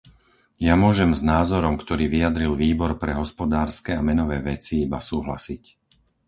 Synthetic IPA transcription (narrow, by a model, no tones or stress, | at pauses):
jamʊɔʒɛmznaːzɔɾɔmkt̪ɔɾiːʋiad̪ɾilʋiːbɔɾpɾɛɦɔspɔd̪aːɾskɛamɛnɔʋɛːʋɛt͡siibasuːɦla̰sic